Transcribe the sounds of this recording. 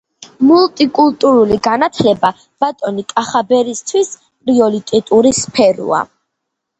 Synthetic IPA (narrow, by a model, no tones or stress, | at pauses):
mult̪ʼikʼulˠt̪ʼuɾuliɡanat̪ʰlɛba | b̥at̪ʼɔnikʼaχabɛɾist̪ʰwis | pʼɾiɔlit̪ʼɛt̪ʼuɾispʰɛɾṵa̰